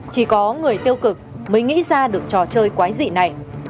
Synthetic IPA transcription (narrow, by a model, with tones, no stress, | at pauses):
t͡ɕi˧˩kɔ˨˦ŋɨ˨˩əjt̪i˧əwkɨ˨˩k̚məː˨˦ŋ̟ŋḭ˧˥zaː˧ɗɨ˨˩ək̚t͡ɕɔ˨˩t͡ɕəː˧jkwaː˨˦jzḭ˧˨na˨˩j